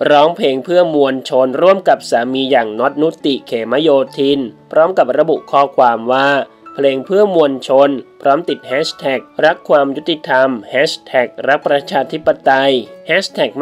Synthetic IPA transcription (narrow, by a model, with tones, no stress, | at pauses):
ɾɔː˦˥ŋpʰleː˧ŋpʰɯ˥˩əmu˧ənt͡ɕʰo˧nɾu˥˩əmka˨˩p̚saː˩˦miː˧jaː˨˩ŋnɔ˦˥t̪̚nu˦˥t̪i˨˩kʰeː˩˦ma˦˥joː˧t̪ʰiː˧npʰɾɔː˦˥mka˨˩p̚ɾa˧bu˨˩ʔkʰɔː˥˩kʰwaː˧mwaː˥˩ | pʰleː˧ŋpʰɯ˥˩əmu˧ənt͡ɕʰo˧npʰɾɔː˦˥mt̪i˨˩t̪̚hɛː˦˥sʰt̪ʰɛ˨˩k̚ɾa˦˥kʰːwaː˧mju˦˥t̪ːi˨˧˩t̪ʰa˧mhɛː˦˥ɕt̪ʰɛː˨˩k̚ɾa˦˥k̚pɾa˧t͡ɕʰaː˧t̪ʰi˦˥pːa˧t̪a˧jhɛ˦˥st̪ʰɛː˨˩k̚